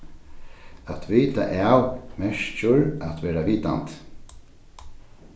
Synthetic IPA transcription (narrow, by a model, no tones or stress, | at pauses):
at̪ʰviːt̪a̰ʔawmɛʂt͡ʃʊɹat̪ʋɛːɾaʋiːt̪a̰nt̪